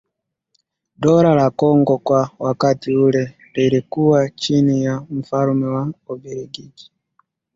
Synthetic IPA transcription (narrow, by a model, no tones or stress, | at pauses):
dɔɾalakɔŋɡɔkwawakatiulɛ | liɾikuwat͡ʃinijam̩falumɛwaɔbɛɾiɡiɡi̥